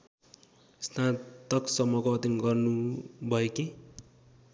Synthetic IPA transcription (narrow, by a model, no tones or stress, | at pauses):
snat̪ʌksʌmʌkoʌt̪iŋɡʌrnubʱʌeki